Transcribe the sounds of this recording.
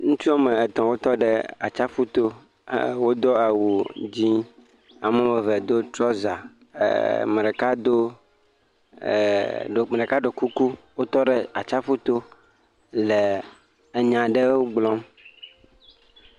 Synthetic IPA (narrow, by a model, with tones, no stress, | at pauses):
ŋũ˦t͡ʃu˦a˦mẽ˨ɛ˨t̪ɔ̃˨wo˦t̪ɔ˦ɖe˦a˨t͡ʃa˦ɸu˦t̪o̰˦ | wo˦d̪ɔ˦a˨wu˨d͡ʑi˦ | a˨mɛ̃˦me˨vɛ˨d̪o˦t̪ɾɔ˦za̰˨ | me˨ɖe˨ka˦d̪o˦˨ | ɖo˨me˨ɖe˨ka˦ɖo˨ku˦ku˦wo˦t̪ɔ˦ɖe˦a˨t͡ʃa˦ɸu˦t̪o˦ | le˨ | e˨ɲã˨ɖe˦wo˦ɡ͡blɔ̃˦m